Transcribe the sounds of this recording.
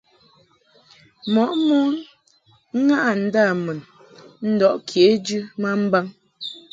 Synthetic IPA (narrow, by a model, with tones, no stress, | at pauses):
mɔ˨ʔmu˦ | ŋa˦ʔa˨n̩˨˦da˦˨mə˨n | n̩˦dɔ˦˨ʔkʰje˨˦d͡ʒʉ˦ma˦m̩˦ba˦ŋ